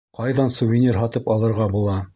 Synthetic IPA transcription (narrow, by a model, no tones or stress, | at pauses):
qɑjðɑnsuvʲɪnʲirɦɑt̪ɤpɑlˠɤ̆ɾʁɑbulˠɑ